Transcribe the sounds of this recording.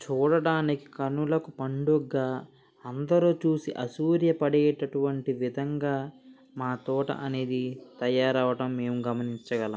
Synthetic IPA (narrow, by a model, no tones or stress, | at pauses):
t͡ʃuːɽɐɽaːniki̥kɐnːulɐkupɐɳɖuɡːaː | ɐnd̪ɐɾuːt͡ʃuːsiʔɐsuːɾjɐpɐɽɛːʈɐʈuʋɐɳʈiʋid̪ʱɐŋɡaː | maːt̪ɔːʈɐ̰ʔɐne̞ːd̪it̪ɐjaːɾɐʋɐʈɐmːe̞ːmuɡɐmɐniɲt͡ʃɐɡɐlɐm